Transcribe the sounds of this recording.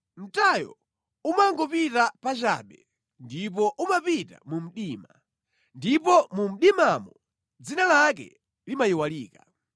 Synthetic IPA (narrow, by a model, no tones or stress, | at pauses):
m̩tajɔ̰ | umaŋɡɔpitapat͡ʃa̰ɓɛ | ndip̬ɔʔumapita̰mum̩ɗiːma | ndipɔmum̩ɗimamɔ | d͡zinalak̬ɛ̰ | limajiwaliːka